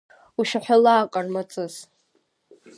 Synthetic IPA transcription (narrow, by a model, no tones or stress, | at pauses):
uʃaħʷᶣalaːkʼarmat͡sʼɨz